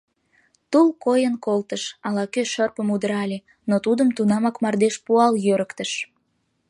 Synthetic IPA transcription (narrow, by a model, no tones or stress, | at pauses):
t̪ulkojənkolt̪əʃɑlɑkøʃərpəmud̪əɾɑlʲe | not̪ud̪əmt̪unɑmɑkmɑrd̪eʃpuɑljøɾəkt̪əʃ